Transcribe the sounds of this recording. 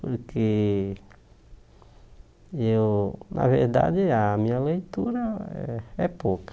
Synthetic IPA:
poɾke | ewnʔa̰veɾd̪a̰d͡ʒɪamĩɲɐlejt̪uɾɐɛ̰ɛpokɐ̥

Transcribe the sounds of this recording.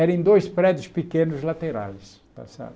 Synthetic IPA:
ɛɾẽj̃d̪ojspɾɛd̪jʊspikẽnʊzlat̪eɾa̰js | pa̰sa̰d̪

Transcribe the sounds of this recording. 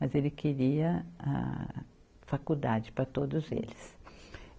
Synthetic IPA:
mɐzelɪkʰeɾiɐã̰ | fakud̪ad͡ʒɪpɾɐt̪od̪ʊzḛlɪs

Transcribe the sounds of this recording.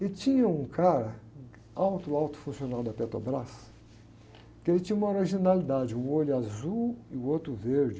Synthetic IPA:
ɪt͡ʃĩɲɐũkʰaɾɐ | awt̪ʊawt̪ʊ̥fũsionawd̪ɐpet̪o̰bɾas | kɪelɪt͡ʃĩɲũmɐoɾiʒinalid̪ad͡ʒɪũoʎʊazuwɪuot̪ɾʊveɾd͡ʒɪ

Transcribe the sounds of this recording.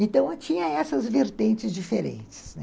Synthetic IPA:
ẽnt̪ɐ̃w̃t͡ʃĩɲɐɛsɐzveɾt̪ẽnt͡ʃɪzd͡ʒifeɾḛ̃nt͡ʃɪ̥snɛ

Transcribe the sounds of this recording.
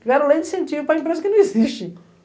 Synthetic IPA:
ɡɔɾalˠẽj̃d̪ɨsẽnt̪ivupɾɐĩmpɾezɐkɪnɐ̃w̃iziʃt̪ẽj

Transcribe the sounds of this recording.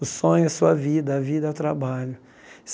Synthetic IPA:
ʊsõɲʊɐsuɐvid̪ɐːvid̪ɐawt̪ɾabaʎʊ | s

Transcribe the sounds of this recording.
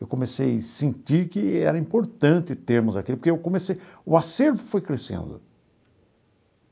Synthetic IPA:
ewkõmesejsĩnt̪iɾkɪɛ̰ɾɐĩpoɾt̪ɐ̃nt̪ɪt̪eɾmʊzakilʊpoɾkeewkõmesejʊaseɾvʊfojkɾesḛ̃nd̪ʊ̰

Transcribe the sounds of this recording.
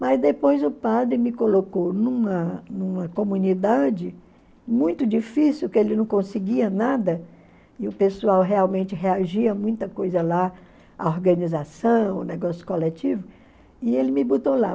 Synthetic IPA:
mɐzd̪epojzʊpad̪ɾɪmɪkolokownũmɐnũmɐkomũnid̪ad͡ʒɪ | mũj̃t̪ʊd͡ʒifisiwkɪelɪnɐ̃w̃kõsɪɡiɐnad̪ɐ | ɪʊpesuawɦeawmẽnt͡ʃɪɦeaʒiɐmũj̃t̪ɐkojzɐla | a̰oɾɡɐ̃nizasɐ̃w̃ʊnɛɡɔsjʊ̥kolɛt͡ʃivʊ | ɪelɪmɪbut̪ola

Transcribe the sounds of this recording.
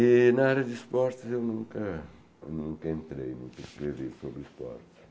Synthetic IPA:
inɐaɾɐd̪ispɔɾt̪ewnũŋkɐ | nũŋkɐent̪ɾḛjnṵ̃ŋkɐskɾeviɾsobɾispɔ̰ɾt̪

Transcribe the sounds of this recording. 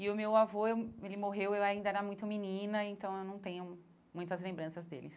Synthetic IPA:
ɪʊmewavoewelɪmoɦewewaĩnd̪ɐɛɾɐmũj̃t̪ʊminĩnɐẽnt̪ɐ̃w̃ewnɐ̃w̃t̪ẽɲʊ | mũj̃t̪ɐzlẽmbɾɐ̃sɐzd̪ḛlɪs

